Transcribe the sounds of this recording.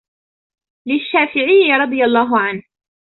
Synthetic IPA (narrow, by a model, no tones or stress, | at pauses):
lɪʃːaːfɪʕɪjːɾˤɑd̪ˤɨjalˤːɑːɦʊʕanh